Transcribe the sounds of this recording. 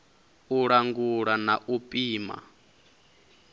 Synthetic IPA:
uɺaŋɡuɺanaʔupʼiːma̰

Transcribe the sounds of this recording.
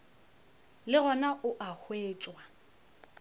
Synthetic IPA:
lɪɣɔnaʔʊʔahweːt͡ʃʼwa

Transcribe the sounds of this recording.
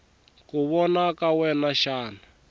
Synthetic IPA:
kuβɔnakawɛnaʃaːna

